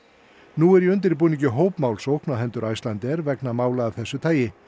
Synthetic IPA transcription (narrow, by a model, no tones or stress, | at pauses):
nuɛɾjiʏnt̪̬ɪɾip̬uniɲcʏɦoːwpmaːwlsowhknaɦɛnt̪ʏɾajst̪lant̪ɛɾvɛknamaːwlaːvθɛsːʏt̪ʰaːjɪ